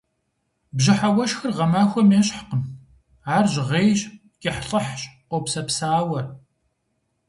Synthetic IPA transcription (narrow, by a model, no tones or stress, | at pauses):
bʑɪħawɐʃxɨrʁɐmaːxʷɔmeːɕħqən | aːrʑʁeːjɕ | kʼeħɬʼɐħɕʼqʷopsɐpsaːwɐr